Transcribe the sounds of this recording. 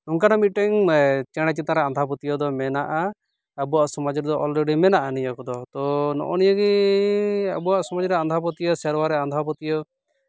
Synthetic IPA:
uŋkanamit̪̚ʈɛŋt͡ʃɛɽ̃ɛt͡ʃit̪aɾɛand̪ʱapɔt̪ijɔd̪ɔmɛnaʔaː | buwaʔsɔmad͡ʒɾɛd̪ɔʔɔlɖɔɖimɛnaʔanijɔkɔd̪ɔt̪ɔnɔ̰ʔɔnijəɡi | a̰buwaʔsɔmɔd͡ʒɾɛand̪ʱap̬ɔt̪ijɔsɛɾwaɾɛand̪ʱapɔt̪ijɔ

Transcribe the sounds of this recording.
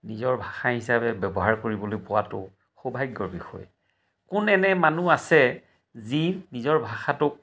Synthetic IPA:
nizɔɹbʱaxaɦisabɛbɛbɔɦaɹkoɹibɔlojpʊwatʊ̰ | xobʱajɡɔɹbixɔ̰j | kʊnɛnɛmanuasɛ | zinizɔɹbʱaxatʊk̚

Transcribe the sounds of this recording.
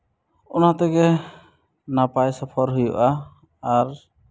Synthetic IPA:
ɔnat̪ɔɡɛ | napajsɔpʰɔɾɦujṵʔaː | ɾ

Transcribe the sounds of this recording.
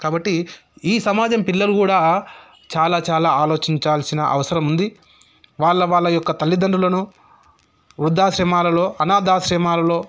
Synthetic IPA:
kaːbɐʈːiiːsɐmaːd͡ʒɐmpilːɐlukuːɽaː | t͡ʃaːlaːt͡ʃaːlaːaːlo̞ːt͡ʃiɲt͡ʃaːlsinɐʔɐ̰ʋɐsɐɾɐmund̪i | ʋaːɭːɐʋaːɭːɐjɔkːɐt̪ɐlːid̪ɐɳɖulɐnu | ʋɾud̪ʱːaːʃɾɛːmaːlɐlo̞ːɐnaːd̪aːʃɾɛːmaːlɐlo̞ː

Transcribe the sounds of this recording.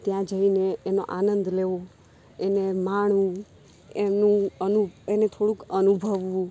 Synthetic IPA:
t̪jãd͡ʒəineːno̰ʔanənd̪leʋo | enemaɳ̃ũ | emnũənuenet̪ʰoɽũkənubʱəʋʋũ

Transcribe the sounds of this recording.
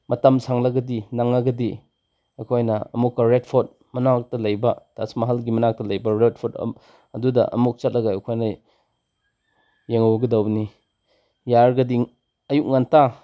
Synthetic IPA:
mɐtamsʰaŋlɐɡɐdinaŋaɡɐdi | akʰojnɐɐ̰mukːaɾet̚pʰɔt̚ | mɐnak̚tɐlɐjbɐtasmɐɦalɡimɐnak̚tɐlɐjbɐɾet̚pʰɔt | ɐdudɐ̰ʔɐ̰muk̚t͡ʃat̚lɐɡajekʰojna | jeŋowɡɐdawni | jaɾɡɐdiŋ | ɐjuk̚ŋanta

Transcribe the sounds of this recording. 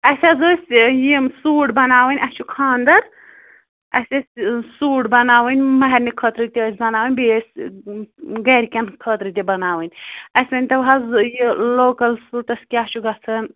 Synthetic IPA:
ɐsʲɐzoːsʲjimsuːʈbɐnaːʋənʲʔɐst͡ʃʰukʰaːnd̪ɐɾ | ɐ̰sʲɐsʲsuːʈbɐnaːʋɨnʲmɐɦɛɾʲnikʰət̪ɾɨt̪ʲiːsʲbɐnaːwənʲbesʲ | ɡɐɾʲkʲɐnkʰət̪ɾɨt̪ʲibɐnaːʋənʲɐsʲɐnʲt̪ɐʋɦɐzjiloːkɐlsuːʈɐsʲkʲiɐt͡ʃʰuɡɐt͡sʰɨn

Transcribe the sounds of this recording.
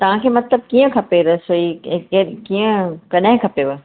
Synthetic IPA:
t̪ɐʋ̤ãkʰemɐt̪ləb̚kiːə̃kʰɐpeɾəsoiekiːə̃kɐɗɦẽkʰɐpeʋə

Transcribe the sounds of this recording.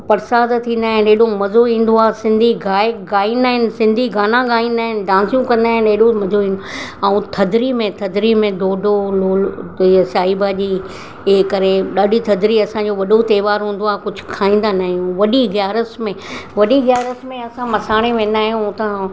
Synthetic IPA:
pɐɾsaːzt̪ʰĩːn̆d̪aːɦɪ̃nɗeɦɗõmɐzoĩːn̆d̪oaːsɪ̃nd̪ʱiɡaːkɡaːĩːnd̪aːɦɪnɪ̆sɪ̃nd̪ʱiɡaːnãɡaːĩːn̆d̪aːɦɪnɪ̆ɖãːnsijũkɐ̃nd̪aːɦɪ̃nɗeːɗomɐzoĩːnoɛũt̪ʰɐd̪ʱɾimẽt̪ʰɐd̪ʱɾimẽd̪oːɖʱoloːlsaːibad͡ʑiː | ɪɦɪkɐɾeɗaːɗit̪ʰɐd̪ʱɾiɐsãɲd͡ʑoʋɐɗot̪eːʋaːɾɦũːn̆d̪oaːkʊd͡ʑʱʊ̥kʰaːĩːn̆d̪anaːɦijũʋɐɗiɡjaːɾəsmẽʋɐɗiɣjaːɾəsmẽɐsãmɐsaːɽ̃eʋẽːn̆d̪aːɦijũʊt̪ã

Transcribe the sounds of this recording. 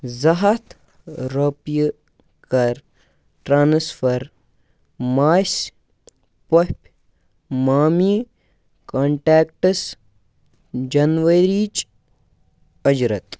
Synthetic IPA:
zɐɦɐt̪ | ɾɐpj | kɐɾ | ʈɾaːnsfʰɐɾ | maːs | pɐpʲ | maːmiː | kaːɳʈeːkʈɐs | d͡ʒɐnʋɐɾiːt͡ʃ | ɐd͡ʒɾɐt̪

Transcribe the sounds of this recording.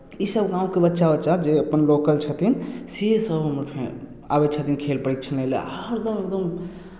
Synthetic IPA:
isəbɡãũkebətːʃabətːʃad͡ʒeəpənlokəlt͡ʃʰət̪ʰinsesəbʱɦəmɾpʰḛ̃ | a̰bet͡ʃʰət̪inkʰelpəɽik̪̚t͡ʃʰənelḛɾd̪əmek̚d̪əm

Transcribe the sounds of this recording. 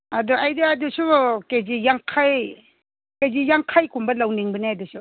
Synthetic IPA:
aduʔajdɯajdusuked͡ʒijaŋkʰaj | kezijaŋkʰajkʰumbɐlawniŋbəniajdusu

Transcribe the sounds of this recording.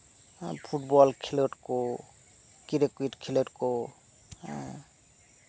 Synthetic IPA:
pʰuʈbɔlkʰileʈko | kiɾekuiʈkʰileʈko

